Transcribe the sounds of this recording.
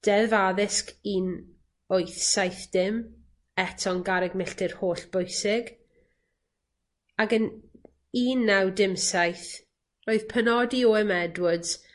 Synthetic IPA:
d̥ɛðvaðɪskiːn | ojθsajθd̥ɪm | ɛtʰɔnɡaɾɛɡmɪɬtʰɪr̥hoːɬb̥ojsɪɡ | aɡən | iːnːawdɪmsajθ | roːɨð̥pʰənɔdiɔɛmɛdwʊd

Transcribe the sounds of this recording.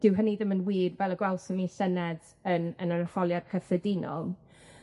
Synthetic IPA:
d̥ɪwɦəniðɪmənwiːdvɛlˠəɡwɛlˠsɔnisɛnɛd | ənənanəfɔlˠjad̥kʰəθədɪnɔ̰lˠ

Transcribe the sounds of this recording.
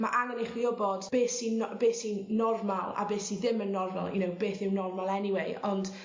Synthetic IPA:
maʔaŋəneχwiɔbɔd̥b̥eːsinbeːsinɔrmalˠa̰beːθiðɪmənːɔrma̰lˠjə̰nowbeːθɪwnɔrmalˠɛniweɨɔnd̥

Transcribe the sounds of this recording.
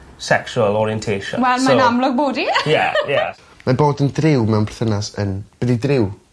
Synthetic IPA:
sɛksuəlˠɔɾiɛntʰeːʃɔ̰̃wɛlˠmanamlˠʊɡ̚boːdijɛjɛ | maboːdəndrɪwmɛwnbʰrθənasə̰nb̥ədidrɪw

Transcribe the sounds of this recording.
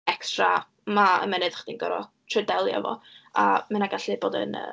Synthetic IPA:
ɛkstra | maə̰mɛnɨd̥χəd̥inɡɔɾɔtʰrədɛlˠjɔ̰vɔ̰amanaɡaɬɪboːdə̰nə̰

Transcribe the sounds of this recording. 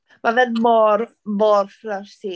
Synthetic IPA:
mavɛðmɔr | mɔrflarsi

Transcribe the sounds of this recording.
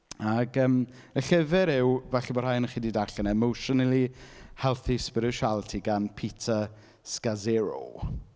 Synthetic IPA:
aɡəːm | əɬɪvɛɾɪwvɛɬabɔd̥hajnəχiːdiːdaɬanaɛmowʃɔnəlˠihɛlˠθispɪɾɪʃalˠtʰiɡanpʰitʰə | skazɪɾo̰

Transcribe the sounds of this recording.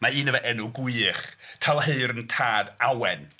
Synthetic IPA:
maiːnəvɛʔɛnʊɡwiːχtʰalˠɦeɨɾəntʰaːdawɛn

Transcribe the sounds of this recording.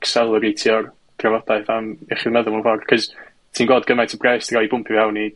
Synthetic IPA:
ksɛlˠəɾitʰiɔr | d̥ravɔd̥aɨðamɛχiðmɛðɔmunvɔrkʰɔz | tʰiːnɡwɔːdɡəmajtʰəbrɛstrɔibʊmpʰɪvhawni

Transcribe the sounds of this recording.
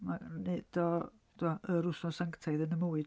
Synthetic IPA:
maned̥ɔ | d̥ʰuaəɾʊsnɔsaŋktʰajðənəmuɨd

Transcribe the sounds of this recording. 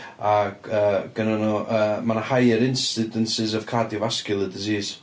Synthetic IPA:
aəːɡ̥ənanɔʔəmanahajəɾɪnsɪdənsɪzəvkʰadɪvaskɨlˠədɪziːz̥

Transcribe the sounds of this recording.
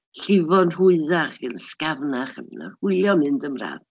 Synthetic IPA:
ɬɪvɔnhʊɨðaχvilskavnaχə̰vna̰hʊɨlˠjɔmɨndəmra̰ːv

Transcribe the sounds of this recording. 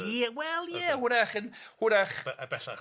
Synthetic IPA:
iwɛlˠjɛhʊɾaχənhʊɾaχbɛɬa̰

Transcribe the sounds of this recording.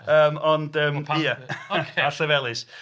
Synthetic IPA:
əːmɔndəːmijəaɬɛvɛlˠɪs

